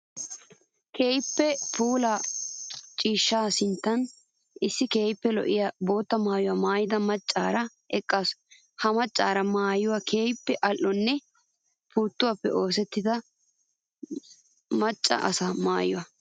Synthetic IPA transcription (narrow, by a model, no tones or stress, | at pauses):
kʰeːjɪpːɛpʰuːlɐ | t͡ʃʼiːʃːaːsɪnt̪ːɐn | ɪsːɪke̞ːjɪpːɛlɔ̰ʔɪjɐbo̞ːt̪ːɐmaːjʊwamaːjɪd̪ɐmɐt͡ʃʼːaːɾɐ | ɛkʼːas | hɐmɐt͡ʃʼːaːɾɐmaːjʊwakʰe̞ːjpːɛʔɐlʔːɔnːɛ | puːt̪ːʊwɐpːɛ̰ʔo̞ːs̬ɛt̪ːɪd̪ɐ | mɐt͡ʃʼːɐ̰ʔɐ̰saːmaːjʊwɐ